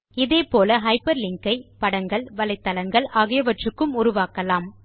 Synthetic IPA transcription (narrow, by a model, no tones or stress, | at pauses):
ɪðeːpoːlɐɦɐɪpɐɾlɪŋkɐɪpɐɽɐŋɡɐɭʋɐlɐɪt̪ːɐlɐŋɡɐɭʔɐɣɐjɐʋɐʈrɯkːɯmʊɾʊʋaːkɐlaːm